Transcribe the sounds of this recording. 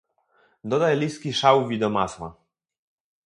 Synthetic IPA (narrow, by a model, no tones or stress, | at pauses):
d̪ɔd̪ajlʲiskʲiʂawvʲid̪ɔmaswa̰